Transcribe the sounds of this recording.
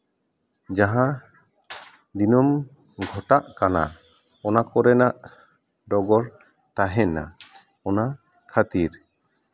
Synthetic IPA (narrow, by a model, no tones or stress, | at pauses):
d͡ʒaɦã | d̪inɔm | ɡʱɔʈaʔkana̰ | ɔnakɔɾɛnaʔ | ɖɔɡɔɾ | t̪aɦɛna̰ | ɔna | kʰat̪iɾ